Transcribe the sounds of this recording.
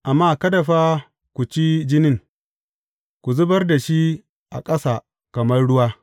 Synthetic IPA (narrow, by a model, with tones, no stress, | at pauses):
ʔa˨mːaː˦˨kɐ˦da˨ɸaː˦ | kʷu˨t͡ʃi˦d͡ʒɪ˦nɪ˦ŋ | kʷu˨zʊ˦bɐ˦rda˨ʃi˦ | ʔa̰˨kʼɐ˦saː˨ | kɐ˨mɐ˦rɽʊ˦waː˦